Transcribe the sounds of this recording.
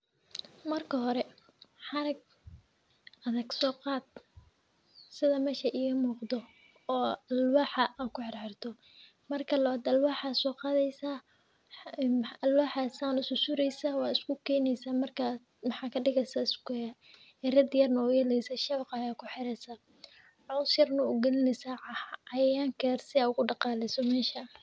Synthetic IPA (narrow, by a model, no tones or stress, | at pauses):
mɐrkʰɐɦɔɾɛ | ħɑɾɐɡ̚ | ʔɐðɐɡsɔːqɑːd̪̥̚ | sɪðɐmɛːʃɐʔiːɣɐmuːqd̪ɔ | ɔːɐlwɑːħɑʔaːkʰʊħɪrħɪrt̪ʰɔ | mɐrkʰɐlɐaːd̪ɐlwɑːħaːsɔːqɑːðɛjsaː | ɐlwɑːħasaːnʊsʊsʊɾɛjsaːwɑːɪskʰʊkʰɛːjnɛjsaːmɐrkʰa | mɑħɑːkʰɐɖɪɣɛsɐɪskː | ɛrɐd̪ɪjɐrnɐʊjɛlɛjsɐʃɐβqɑjaːkʰʊħɪɾɛsa | ʕɔwsjɐrnɐʊɡɛlɪnɛsaːʕɑhɐjaːŋkʰɛrsɪaːʊɣʊɖɑqɑːlɛsɔmɛːʃɐ